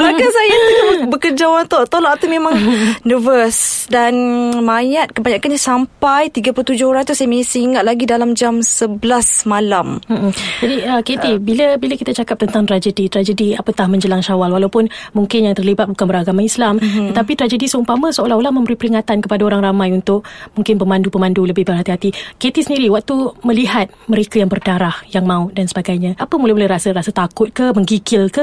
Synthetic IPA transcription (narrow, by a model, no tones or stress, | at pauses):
ɾakasajait̪ubəkərd͡ʒawant̪oʔt̪olaʔt̪umẽmãŋnəvəsdanmajat̪̚kəbaɲakanɲasampajt̪iɡaplut̪ud͡ʒʊhoɾaŋt̪usajəmesəiŋat̪̚laɡidalamd͡ʒamsəbəlasmalamm̩ʔm̩d͡ʒadiəket̪ibiləbilakit̪at͡ʃakap̚t̪ənt̪aŋt̪ɾad͡ʒədit̪ɾad͡ʒədiapət̪ahmə̃ɲd͡ʒəlaŋʃawalwalawpʊnmuŋkɪnjaŋt̪ərlibat̪̚bukanbəɾaɡamaislamt̪ət̪apit̪ɾad͡ʒədisəupamasoolaholahmə̃mbəɾipəɾiŋat̪ankəpadaoɾaŋramãjunt̪ʊk̚muŋkɪnpəmãndupəmanduləbɪhbərɦat̪iɦat̪iket̪isəndiɾiwak̚t̪uməliɦat̪̚məɾekajaŋbərdaɾahjaŋmãʊʔ̪̚dansəbaɡajɲaʔapəmulɛhmulɛɾasərasat̪akʊt̪̚kəməŋɡikɪlkə